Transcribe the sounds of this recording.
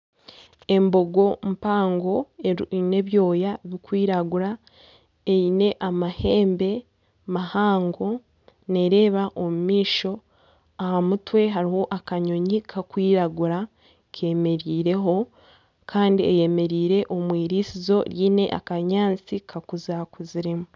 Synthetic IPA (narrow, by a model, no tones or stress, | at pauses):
e̞mbo̞ɡo̞mpaːŋɡo̞ene̞βjo̞ːjaβikwiːɾaɡuɾa | eine̞ʔamahe̞ːmbe̞ | mahaːŋɡo̞ | ne̞ɾe̞ːβaʔo̞mumiːʃo̞ | ahamutwe̞ɦaɾiho̞ʔakaɲo̞ɲikʰakwiːɾaɡuɾa | kʰe̞me̞ɾiːɾe̞ɦo̞ | kʰaːndiḛje̞me̞ɾiːɾe̞ʔo̞mwiːɾisizo̞ɾjiːne̞̰ʔa̰kaɲaːnt͡sikʰakuzakuziɾimu